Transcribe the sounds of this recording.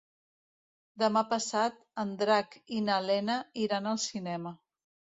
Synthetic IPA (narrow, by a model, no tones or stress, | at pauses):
d̪əmapəsat̪̚ənd̪ɾakinəlɛnəiɾanəlˠsinɛmə